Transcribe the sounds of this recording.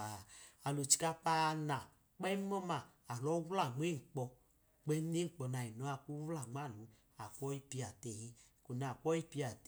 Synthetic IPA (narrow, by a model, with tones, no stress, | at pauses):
a˨a˨lo˨t͡ʃi̥˧ka˧k͡pa˦˧na˨ | k͡pɛ˦mɔ˦maː˨lɔ˨˦wla˦˨ŋ͡me˦ŋ̩˨k͡pɔ˧ | k͡pɛ˦ne˦ŋ͡m̩˨k͡pɔ˧na˨i˨nɔ˨˦a˧˨k͡pu˦wla˨ŋ͡ma˦˨lu˨˦ | a˨kʷɔ˦i˦pi˧a˨tɛ˨hi˦ | ko˨na˨kʷɔ˦i˦pi˧˦a˨t